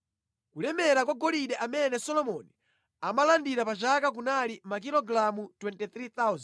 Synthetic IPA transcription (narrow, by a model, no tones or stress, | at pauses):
kulɛmɛɾak̬waɡɔliɗɛʔamɛnɛsɔlɔmɔni | amalandiɾapat͡ʃakak̬unalimak̬ilɔɡɾamutwɛntɛθɾit̪auz